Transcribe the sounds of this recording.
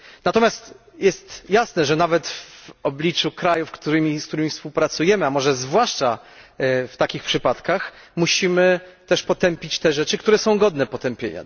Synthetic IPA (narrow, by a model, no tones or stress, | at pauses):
nat̪ɔmʲjast̪ | jɛst̪jasnɛʐɛnavɛt̪vɔblʲit͡ʂukɾajufkt̪uɾɘmʲiskt̪uɾɘmifspuwpɾat̪sujɛmɘamɔʐɛzvwaʂt͡ʂa̰ | ft̪akʲixpʂɘpat̪kax | muɕimɘt̪ɛʂpɔt̪ɛmpʲit͡ɕt̪ɛʐɛt͡ʂɘkt̪uɾɛsɔ̃w̃ɡɔd̪nɛpɔt̪ɛmpʲjḛɲa̰